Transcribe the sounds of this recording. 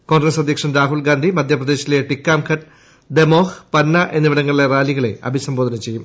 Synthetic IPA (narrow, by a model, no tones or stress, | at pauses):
ko̞ːnɡɾesɐd̪ʱjɐkʂɐmɾaːɦulɡaːnd̪ʱimɐd̪ʱjɐprɐd̪eːɕileʈikːaːmkʰɐʈ | d̪emo̞ːhpɐnːɐʔe̞nːuʋiɽɐŋːɐɭiɭeraːliɣɐɭe̞̰ɐ̰bʱisɐmbo̞ːd̪ʱɐnɐmt͡ɕe̞jːum